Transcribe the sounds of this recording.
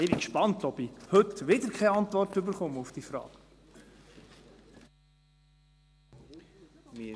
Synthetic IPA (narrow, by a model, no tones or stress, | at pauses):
ɪbɪkʃpɑnt̪ɔbihɵtʋɪd̪əɾkχɛɑnt̪ʋɔrtʏbəɾχʊməufd̥iːfɾɑ̰ːk